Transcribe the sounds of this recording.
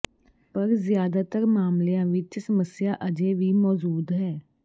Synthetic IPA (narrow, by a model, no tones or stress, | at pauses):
pəɾzjaːd̪aːt̪əɾmaːmljãːʋɪt͡ʃsəməsɪjaːʔəd͡ʒeʋiːmɔːd͡ʒuːd̪ɦɛː